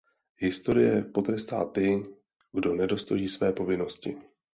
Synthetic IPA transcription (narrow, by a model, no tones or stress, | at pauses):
ɦɪst̪o̞ɾɪjɛpo̞t̪ɾɛst̪a̰ːt̪ɪ | ɡdo̞nɛdo̞st̪ojiːsvɛːpo̞vɪno̞scɪ̰